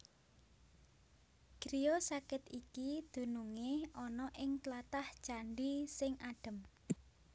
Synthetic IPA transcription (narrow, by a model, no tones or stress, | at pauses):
ɡ̥ɾijosakɪt̪ikid̪̥ṳnuŋeɔnɔʔɪŋt̪lat̪ahd̥ʒ̥a̤ɳɖisɪŋʔaɖ̥ə̤m